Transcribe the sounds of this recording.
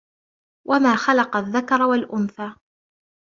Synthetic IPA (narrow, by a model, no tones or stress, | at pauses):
wʔamaːxalɑqɑðːakɑɾˤwalʔʊnθaː